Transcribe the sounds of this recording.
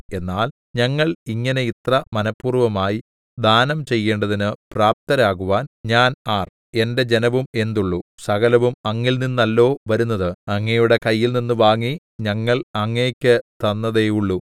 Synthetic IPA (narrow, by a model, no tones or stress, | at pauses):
e̞nːaːl | ɲɐŋːɐɭiŋːɐne̞it̪rɐmɐnɐpːuːrʋɐmaːji | d̪ʱaːnɐmt͡ɕe̞jːe̞ːɳɖɐðinɨpraːp̚t̪ɐɾaːɣuʋaːnɲaːnaːr | e̞nde̞d͡ʑe̞nɐʋume̞nd̪uɭːusɐɣɐlɐʋumɐŋːilninːɐlːo̞ːʋɐɾunːɐðɨɐŋːɐjuɽe̞kɐjːilninːɨʋaːŋːi | ɲɐŋːɐɭɐŋːeːkʲːɨt̪ɐnːɐðe̞juɭːu